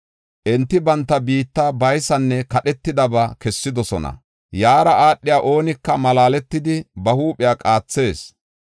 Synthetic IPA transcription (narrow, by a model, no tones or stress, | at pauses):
ʔɛnt̪ːɪbɐnt̪ːɐbiːt̪ːabɐjsɐnːɛkɐɗɛt̪ːɪd̪ɐbɐkɛsːɪd̪ɔsɔnɐ̰ | jaːɾɐʔaːɗːɪjaːʔo̞ːnɪkːɐmɐlaːlɛt̪ːɪd̪ɪbɐhuːpʼɪjaːkʼaːt͡sːe̞ːs